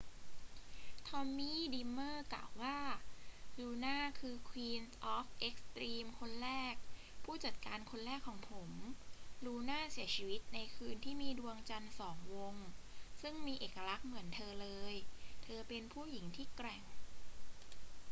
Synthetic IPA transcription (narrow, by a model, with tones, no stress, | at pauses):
t̪ʰɔ˧mːiː˥˩diː˧mːɤː˥˩kla̰ː˨˩wːaː˥˩ɾuː˧naː˥˩kʰɯː˧kʰwiː˧nʔɔː˦˥f̚ʔe˦˥k̚st̪ɾiː˧mkʰo˧nɾɛː˥˩k̚ | pʰuː˥˩t͡ɕa˨˩t̪̚kaː˧nkʰo˧nɾɛː˥˩kʰːɔː˩˦ŋpʰo˩˦mɾuː˧naː˥˩si˨˩˦ət͡ɕʰiː˧wi˦˥t̪̚na˧jkʰɯː˧nt̪ʰiː˥˩miː˧du˧əŋt͡ɕa˧nsɔː˩˦ŋwo˧ŋsɯ˥˩ŋmiː˧ʔeː˨˩ka˧ɾa˦˥k̚mɯ˩˦ənt̪ʰɤː˧lɤː˧jt̪ʰɤː˧pe˧npʰuː˥˩ji˩˦ŋt̪ʰiː˥˩kɾɛ˨˩ŋ